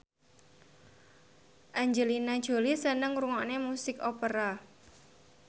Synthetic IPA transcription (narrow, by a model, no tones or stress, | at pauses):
ʔaɲd͡ʒəlinad̥ʒ̥o̤lisənəŋɾuŋɔʔnemusɪkopəɾa